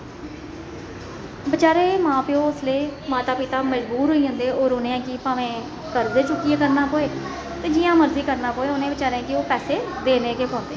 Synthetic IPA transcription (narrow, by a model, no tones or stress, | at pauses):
bət͡ʃaːɾeːmãːpɪõːʊsleːmaːt̪aːpɪt̪aːməd͡ʒbuːɾɦoiːɦə̃nd̪eːoːɾoːnẽːɛ̃ːkiːpãːʋẽː | kəɾd̪eːt͡ʃʊkːieːkəɾnaːpoːeː | t̪eːd͡ʒɪjãːməɾziːkəɾnaːpoːeːʊnẽːbət͡ʃaːɾẽːkɪoːpɛːseːd̪eːneːkeːpɔ̃ːnd̪eː